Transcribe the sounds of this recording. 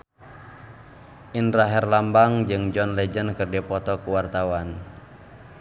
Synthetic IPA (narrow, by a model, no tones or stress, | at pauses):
ʔinraɦɛrlambaŋd͡ʒɨŋd͡ʒɔnlɛd͡ʒənkɨrdɛpɔt̪ɔkuwart̪awan